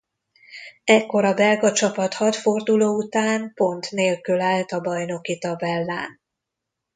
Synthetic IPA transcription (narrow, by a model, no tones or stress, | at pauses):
ɛkːo̞ɾɒbɛlɡɒt͡ʃɒpɒt̪hɒt̪fo̞rd̪uloːut̪aːnpo̞nt̪neːlkylaːlt̪ɒbɒjno̞kit̪ɒbɛlːa̰ːn